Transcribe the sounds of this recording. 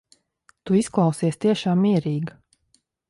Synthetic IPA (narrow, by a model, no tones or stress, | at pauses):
t̪uisklˠɑwsiɛst̪iɛʃaːmːiɛɾiːɡ